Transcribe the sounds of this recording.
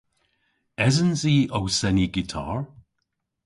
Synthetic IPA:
ɛzənziːʔowsɛniɡitʰa̰ɹ

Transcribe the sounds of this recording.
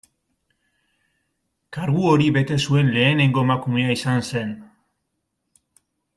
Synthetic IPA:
kaɾɣuoɾiβe̞t̪e̞sue̞nle̞ːne̞ŋɡoemakume̞aisanse̞n

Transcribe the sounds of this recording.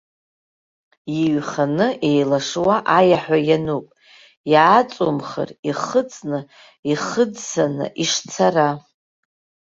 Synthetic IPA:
iɥχanɨʔe̞jlaʂwaʔajaħʷᶣajanupʼ | jaːt͡sʼomχə̰riχət͡sʼnɨ | iχəd͡zsanɨ̰ʔiʂt͡sʰara

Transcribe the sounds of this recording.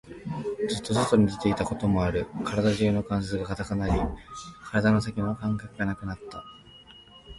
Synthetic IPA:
d͡zɨt̪ːo̞zɨt̪o̞ɲ̟id̪e̞t̪e̞it̪ako̞t̪o̞mo̞aɾɯ̟kʰaɾad̪aʑɯːno̞kãɰ̃s̬esɨɡakat̪akanaɾʲikʰaɾad̪ano̞s̬akʲinakãŋkakɯ̟ɡanakɯ̟nat̪ːa

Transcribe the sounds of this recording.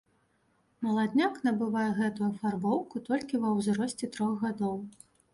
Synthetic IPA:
mɐlˠad̪ʲnʲaknɐbɨvajɛɣɛt̪ujufarbɔwkut̪ɔlʲkʲivɐwzɾɔsʲt͡sʲɛt̪ɾɔɣɣad̪ɔw

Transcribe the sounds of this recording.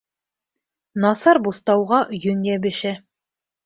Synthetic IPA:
nɑsɑɾbust̪ɑwʁɑjɵnʲjæbɘ̆ʃæ

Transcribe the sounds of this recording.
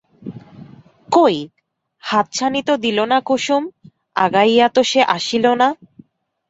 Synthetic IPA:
koj | hat̪̚t͡ɕʰanit̪od̪ilonakuʃum | a̰ɡajat̪oʃeʔaʃilona

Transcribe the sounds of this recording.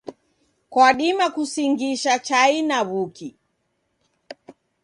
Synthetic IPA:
kwaɗimakusiŋɡiʃat͡ʃainaβuki

